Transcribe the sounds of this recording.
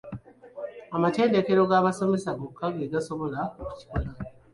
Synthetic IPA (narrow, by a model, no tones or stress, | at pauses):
amate̞ːnde̞ke̞ɾo̞ɡaːβaso̞me̞saɡokːaɡeɡaso̞βo̞laoku̥ci̥kola